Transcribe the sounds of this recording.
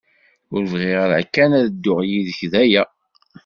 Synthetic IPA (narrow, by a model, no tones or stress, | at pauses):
ʊɾvʁeʁəlʕkːænæðəd̪ːʊʁjiðəçðæjæ